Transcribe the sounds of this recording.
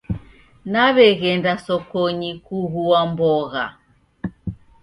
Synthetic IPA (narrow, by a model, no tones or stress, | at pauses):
naβɛɣɛndasɔkɔɲikuɣuambɔɣa̰